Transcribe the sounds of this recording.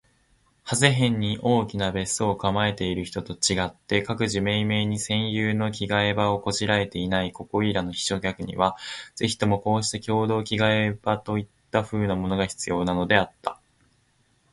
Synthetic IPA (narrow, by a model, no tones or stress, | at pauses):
hazeɦẽ̞ɲ̟ːiʔo̞ːkʲinabe̞sokamae̞t̪e̞iɾɯ̟çi̥t̪o̞t̪o̞t͡ɕiɡat̪ːe̞kakɯ̟ʑime̞ːme̞ːɲ̟isẽ̞ɰ̃jɯːno̞kʲiɡaebao̞ko̞ʑiɾae̞t̪e̞inaiko̞ko̞iɾano̞çi̥ɕo̞kʲakɯ̟ɲ̟ḭβaz̥e̞çi̥t̪o̞mo̞ko̞ːɕi̥t̪ekʲo̞ːd̪o̞ːkʲiɡaebat̪o̞it̪ːaɸɯ̟ːnamo̞no̞ɡaçi̥t͡sɨjo̞ːnano̞d̪e̞at̪ːa